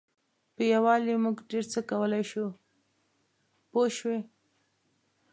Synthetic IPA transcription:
pəjawɑlemuɡɖeɾt͡səkawəlajʃu | poʃwe

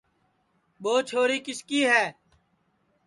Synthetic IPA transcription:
ɓoːt͡ʃʰoːɾiːkɪskiːɦɛː

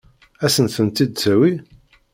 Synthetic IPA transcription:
æsənθənt̪id̪t͡sæwi

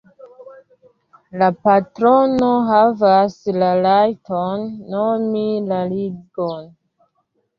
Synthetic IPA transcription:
lapatɾo̞noɦavaslalajtonːomilaliɡon

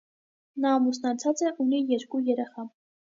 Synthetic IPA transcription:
nɑːmusnɑt͡sʰɑt͡sɛʔunijɛɾkujɛɾɛχɑ

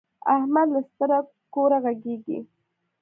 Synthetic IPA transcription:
ahmad̪last̪əɾa | koɾaɣaɡeɡḭ

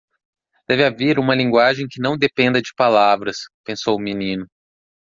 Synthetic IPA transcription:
d̪̥ɛvɪaveɾũmɐlĩŋɡwaʒẽj̃kɪnɐ̃w̃d̪epẽnd̪ɐd͡ʒɪpalavɾɐspẽsowʊminĩnʊ

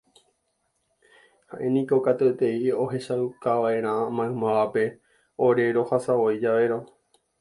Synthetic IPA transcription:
haʔe̞nĩko̞kat̪ut̪e̞io̞ɦe̞ʃaukaʋaʔe̞ɾ̃ãmãɨ̃mãʋape̞ | oɾe̞ɾo̞hasaoid͡ʒaʋe̞ɾo̞

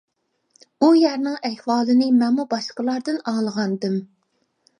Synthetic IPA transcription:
ujɛɾnɪŋɛhwɑːlˠɨnɨmɛnmubɑʃqəlˠɑɾd̪ɨnɑːlˠəʁɑnd̪ɨm

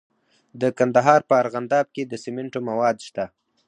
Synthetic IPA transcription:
d̪əkand̪aɦɑɾpəaɾɣand̪ɑb̚ked̪əsɪmɪɳʈomawɑd̪ʃt̪a

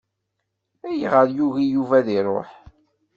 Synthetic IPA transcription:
æjʁəɾjuɣijuvæðiɾˤo̰ħ

